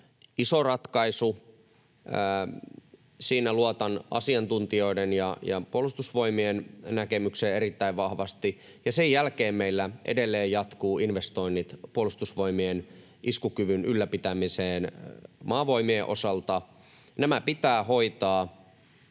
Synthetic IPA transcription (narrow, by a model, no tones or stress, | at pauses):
isorɑt̪kɑisu | siːnæluɑt̪ɑnʔɑ̰siɑnt̪unt̪io̞idenjɑjɑ̰puolust̪usʋo̞imiennækemykseːeɾit̪ːæiʋʋɑhʋɑst̪i | jɑsejːælkeːmmeilːæʔḛdelːeːjjɑt̪kuːʔinʋest̪o̞inːit̪puolust̪usʋoimien | ʔiskukyʋynylːæpit̪æmiseːnmɑːʋo̞imieʔo̞̰sɑlt̪ɑ | næmæpit̪æːhoit̪ɑː